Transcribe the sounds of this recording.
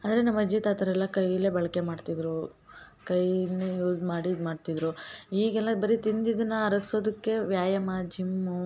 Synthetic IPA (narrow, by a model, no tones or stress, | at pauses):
ɐnd̪ɐɾenɐmːɐd͡ʒit̪aːt̪ɐɾɛlːɐkɐjile̞bɐɭɐke̞maːɖt̪id̪ɾukɐjnejuːd͡ʒmaːɽimaːɖt̪id̪ɾuiːɡɛlːɐbɐɾit̪ind̪id̪ɐnːɐɐɾɐkso̞ːd̪ɐkːe̞ʋjaːjɐmaːd͡ʒʱimːu